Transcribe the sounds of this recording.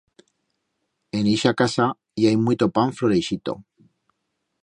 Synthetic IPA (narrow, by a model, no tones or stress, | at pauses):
e̞niʃakasa | jajmuijt̪o̞paɱfloɾejʃit̪o̞̰